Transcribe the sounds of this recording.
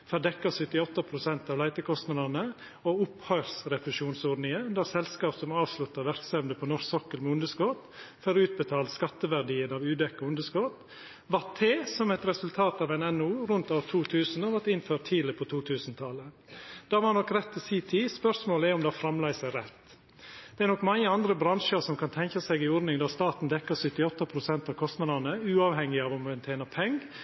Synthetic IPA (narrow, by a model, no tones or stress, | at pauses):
fœd̪ɛkːəsʏt̪ːɪɔt̪ːəpʰɾʊsɛnt̪ɑːʋlæɪt̪əkʰɔst̪nɑd̪ɑnə | oʊphœʏɾsɾɛpɾʉʃuːnsɔːdnɪŋəʉnd̪ɑsɛlskɑːpsɔmɑːʋslʉt̪ːəɾʋæɾksɛmd̪əpʰɔnɔʂksɔkəlmɛʊnd̪əskɔt̪fɔɾʉːt̪̚bət̪ʰɑːlskɑt̪ːəʋæɾɖiːənɑʋʉːd̪ɛkːɔʊnd̪əskɔt̪ | ʋɑt̪ʰeːsɔmɛt̪ɾɛsʉlt̪ʰɑːt̪ɑːʋɛnɛnuːɾʉnt̪oːʋt̪ʰuːt̪ʰʉːsn̩ɔʋɑʈɪnføːʈt̪ʰiːlɪpʰɔt̪ʰuːt̪ʰʉːsnt̪ʰɑlə | d̪̥ɑːʋɑnɔkːɾɛt̪ːʰɪsiːt̪ʰiːspœʂmoːləæɾɔmd̪ɛɑfɾɑmlæɪsɛɾɛt̪ː | d̪̥ɛɛɾnɔkːmɑŋːəɑnd̪ɾəbɾɑŋʂəɾsɔmkʰɑnt̪ʰɛŋkɑsɛɡɪɔɾnɪŋd̪ɑːst̪ɑːt̪n̩d̪ɛkːəsʏt̪ːɪɔt̪ːɑpʰɾʊsɛnt̪ɑːʋkʰɔst̪nɑd̪ɑnəʉːɑːʋhɛŋːɪɑːʋɔmɛnt̪ʰeːnəpʰɛŋɡ